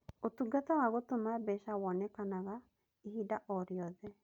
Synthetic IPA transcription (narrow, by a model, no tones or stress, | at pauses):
ot̪uɡat̪awaɣot̪omabɛʃawɔnɛkanaɣa | ihidaʔɔɾjɔðɛ